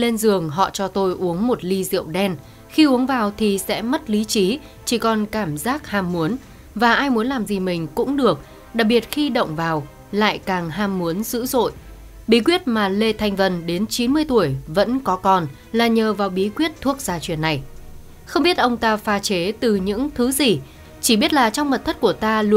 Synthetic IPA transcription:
le˧nzɨ˨˩əŋɦɔ̰˧˨t͡ɕɔ˧t̪o˧jʔu˨˦əŋmo˨˩t̚li˧zḭ˧˨əwɗɛ˧n | xi˧ʔu˨˦əŋvaː˨˩wt̪ʰi˨˩sɛ̰˧˥mə˦˥t̚li˨˦t͡ɕi˨˦ | t͡ɕi˧˩kɔ˨˩nkaː˧˩mzaː˦˥k̚haː˧˩mːu˨˦ən | vaː˨˩ʔaː˧jmu˨˦ənlaː˨˩mzi˨˩mï˨˩ŋ̟kʊ̰˧˥ŋ͡mɗɨ˨˩ək̚ | ɗa̰ː˨˩k̚ɓi˨˩ət̚xi˧ɗə̰˧˨wŋ͡mvaː˨˩w | la̰ː˧˨jkaː˨˩ŋɦaː˧mːu˨˦ənzɨ̰˧˥zo̰˧˨j | ɓi˨˦kwi˦˥ət̚maː˨˩le˧t̪ʰa˧jŋ̟və˨˩nɗe˨˦nt͡ɕi˨˦nmɨ˧əjt̪u˧˩əjvə̰˧˥nkɔ˨˦kɔ˨˩n | laː˨˩ɲəː˨˩vaː˨˩wɓi˨˦kwi˦˥ət̚t̪ʰu˦˥ək̚z̥aː˧t͡ɕwi˧˩ənːa˨˩j | xə˧wŋ͡mɓi˦˥ət̚ʔə˧wŋ͡mt̪aː˧faː˨˧˦t͡ɕe˨˦t̪ɨ˨˩ɲɨ̰˧˥ŋt̪ʰɨ˨˦zi˨˩ | t͡ɕi˧˩ɓi˦˥ət̚laː˨˩t͡ɕɔ˧wŋ͡mmə˨˩t̚t̪ʰə˦˥t̚ku˧˩ət̪aː˧lu˧

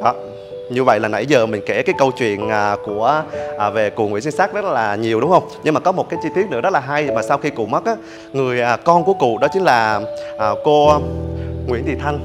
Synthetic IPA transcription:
ɗɔ˨˦ | ɲɨ˧və̰˧˨jlaː˨˩na̰˧˩jzəː˨˩mï˨˩ŋ̟ke˧˩kaː˨˦jkə˧wt͡ɕwḭ˧˨ənʔəː˨˩ku˧˩əʔːve˨˩kṵ˧˨˩ŋwḭ˧˥ənsi˧nsaː˦˥k̚zt̚laː˨˩ɲi˨˩əwɗʊ˨˦ŋ͡mhə˧wŋ͡mɲɨ˧ŋmaː˨˩kɔ˨˦mo˨˩t̚kaː˨˦jt͡ɕi˧t̪i˦˥ətnɨ˧˥ɔ˦˥t̚laː˨˩ɦa˧jmaː˨˩sa˧wxi˧kṵ˧˨mə˦˥t̚ʔaː˨˦ | ŋɨ˨˩əjʔːkɔ˧nku˧˩əkṵ˧˨ɗɔ˨˦t͡ɕï˨˦ŋ̟laː˨˩ʔə˨˩ko˧ | ŋwḭ˧˥ənt̪i˨˩t̪ʰa˧ŋ̟

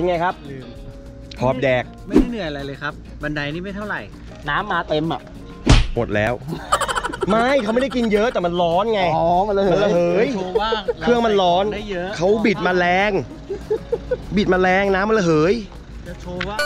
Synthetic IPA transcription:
e˧nŋa˧jkʰa˦˥p̚ | hʰɔː˨˦˩p̚dɛː˨˩k̚ma˥˩jnɯ˨˩ɐja˧la˧jlɤː˧jkʰa˦˥p̚ | ba˧nda˧jniː˥˩ma˥˩jt̪ʰa˥˩wɾa˨˩j | naː˦˥mːaː˧t̪e˧mʔa̰˨˩ʔ | mo˨˩t̪̚lɛ̰ː˦˥w | ma˥˩jkʰa˦wma˥˩jda˥˩jki˧njɤ˦˥ʔt̪ɛː˨˩ma˧nlɔː˦˥nŋa˧jɔ˨˧˦a˧la˧ma˧nla˧ɦɤː˨˦jaː˩kɯ˥˩əŋma˧nlɔː˦˥na˥˩˦kʰa˦˥wbi˨˩t̪̚maː˧lɛː˧ŋ | bi˨˩t̪̚maː˧lɛː˧ŋnaː˦˥mːa˧la˧˩ɦɤː˩˦jʰ | o˧a˥˩

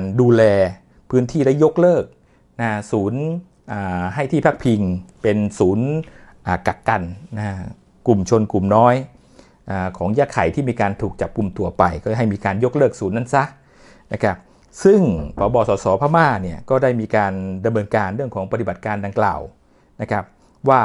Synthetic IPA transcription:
nduː˧lɛː˧ | pʰɯː˦˥nt̪ʰiː˥˩da˥˩jːo˦˥k̚lɤː˥˩k̚ | na˦˥suː˩˦n | ʔaː˨˩ɦa˥˩jt̪ʰiː˥˩pʰaː˥˩k̚pʰi˧ŋpe˧nsuː˩˦nʔaː˨˩ka˨˩kːa˧nna˦˥ | ku˨˩mt͡ɕʰo˧nku˨˩mnɔː˦˥j | ʔaː˨˩kʰɔː˩˦ŋjaː˧˥˩kʰa˨˩˦jt̪ʰiː˥˩miː˧kaː˧nt̪ʰuː˨˩k̚t͡ɕa˨˩p̚ku˧mt̪u˧ɐpa˧jkɔː˥˩˥ɦa˥˩jmiː˧kaː˧njo˦˥k̚lɤː˥˩k̚suː˩˦nːa˥˩˨nsa˦˥ | na˦˥kʰa˦˥p̚ | sɯ˥˩ŋpʰɔː˩˦bɔː˧sɔː˩˦sɔː˩˦pʰaː˥maː˥˩ni˥˩ɐkɔː˥˩daː˥˩jmiː˧kaː˧nda˧mnɤː˧nkaː˧nɾɯ˥˩əŋkʰɔː˩˦ŋpa˧t̪i˨˩ba˨˩t̪̚kaː˧nda˧ŋkla̰ː˨˩w | na˦˥kʰa˦˥p̚ | waː˥˩

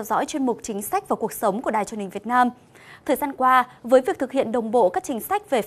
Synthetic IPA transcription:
ɛ˧wzɔ̰˧˥jt͡ɕwi˧ənmʊ˨˩k͡p̚t͡ɕï˨˦ŋ̟sa˦˥k̚vaː˨˩ku˨˩ək̚sə˨˦wŋ͡mku˧˩əɗaː˨jt͡ɕu˧˨˦nhï˨˩ŋvət̚naː˧m | t̪ʰəː˨˩jzaː˧nkwaː˧vəː˨˦jvi˨˩ət̪ɨ˨˩k̚hḭ˧˨ənɗə˨˩wŋ͡mɓo̰˧˨kaː˦˥k̚t͡ɕï˨˦ŋ̟sa˦˥jk̟̚ve˨˩

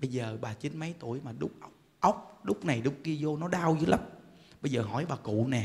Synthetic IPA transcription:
ɓə˧jzəː˨˩ɓaː˨˩t͡ɕi˨˦nmə˨˦jt̪u˧˩˨əjmaː˨˩ɗʊ˦˥k͡p̚ʔə˦˥wk͡p̚ʔə˦˥wk͡p̚ɗʊ˦˥k͡p̚na˨˩jɗʊ˨˦˥k͡p̚ki˧əzo˧nɔ˨˦ɗaː˧wzɨ˨˦jlʔə˦˥p̚ɓə˧jzəː˨˩ɦɔ̰˧˩jɓaː˨˩kṵ˧˨nɛ˨˩

